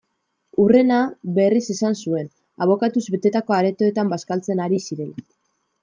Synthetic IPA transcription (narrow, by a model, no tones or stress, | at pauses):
ure̞naβe̞rise̞sansue̞n | aβ̞o̞kat̪uzβe̞t̪e̞t̪ako̞aɾe̞t̪o̞et̪ambaskalt͡se̞naɾisiɾe̞la